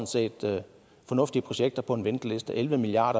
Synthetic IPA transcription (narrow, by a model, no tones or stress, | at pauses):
nse̝̰ːd̥ | fɒ̽nɔ̽fd̥iəpʰʁo̝ɕeɡ̥̚d̥ɐpʰɒ̽e̝nʋend̥le̝sd̥əʔelʋəmiliɑ̰̈ːɾɐ